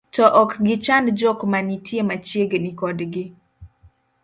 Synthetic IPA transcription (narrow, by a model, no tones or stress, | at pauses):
tɔʔɔkɡɪt͡ʃandd͡ʒɔkmanitjemat͡ʃjeɡnɪkɔdɡɪ